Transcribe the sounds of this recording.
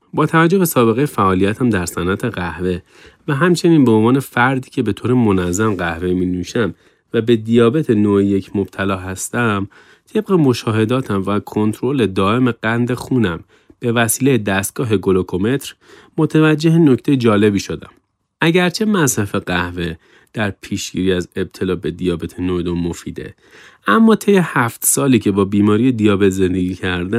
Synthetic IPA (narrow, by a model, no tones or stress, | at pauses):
bɒːt̪ʰævæd͡ʒːo̞besɒːbe̞ɣejefæʔɒːlijæt̪ʰæmd̪æɾsænʔæt̪ʰe̞ɣæhve̞ | væɦæmt͡ʃʰe̞niːnbeonvɒːne̞fæɾd̪iːcʰebe̞t̪ʰoːɾemo̞næzːæmɢæhvemiːnuːʃæm | væbe̞d̪ijɒːbe̞t̪ʰe̞noːʔeje̞cʰmob̥̚t̪ʰælɒːɦæst̪æm | t̪ʰe̞bɣemo̞ʃɒːɦe̞d̪ɒːt̪ʰæmvækʰo̞nt̪ʰɾole̞d̪ɒːʔe̞meɡænd̪e̞xuːnæm | b̥e̞væsiːlejed̪æst̪̚ɡ̥ɒːɦe̞ɡo̞lokʰo̞me̞t̪ɾ | mot̪ʰævæd͡ʒːe̞ɦeno̞cʰt̪e̞jed͡ʒɒːle̞biːʃo̞d̪æ̰m | ʔæɟæɾt͡ʃʰe̞mæsɾæfe̞ɢæhve̞ | d̪̥æɾpʰiːʃɡḭːɾiːæze̞b̥̚t̪ʰe̞lɒːbe̞d̪ijɒːbe̞t̪ʰenoed̪omofiːd̪e̞̰ | ʔæmːɒːt̪ʰe̞je̞hæft̪sɒːliːcʰe̞bɒːbiːmɒːɾijed̪ijɒːbe̞t̪ʰze̞nd̪eɟiːcʰæɾd̪æ